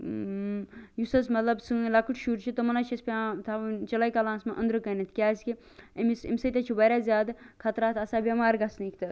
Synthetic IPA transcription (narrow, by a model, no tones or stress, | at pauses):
jusɐsmɐt̪lɐbsɨlɐkɨʈʰʃuːɾt͡ʃʰit̪ɐmɐnaːt͡ʃʰɐspʲat̪ʰat͡ʃɐlajkɐlãːnsmɐʔɐnd̪ɾɨkɐnɐt̪ʰkʲaːskʲi | ɐmisḭmʲsɐt̪ʲɐt͡ʃʰibɐɾʲaːzʲjaːd̪kʰɐt̪ɾaːt̪ʰɐsabʲɐmaːɾɡɐsnikʰt̪ɨ